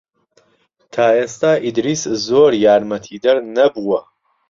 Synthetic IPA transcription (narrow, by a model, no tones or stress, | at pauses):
t̪ʰaːeːst̪aʔid̪ɾiszoːɾjaːɾmɐt̪ʰiːd̪ɐɾnɐbuwɐ